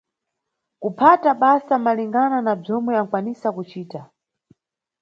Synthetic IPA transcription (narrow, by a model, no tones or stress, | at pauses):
kupʰataɓasamaliŋɡananab͡ʐɔmwɛaŋkwanisakut͡ʃiːta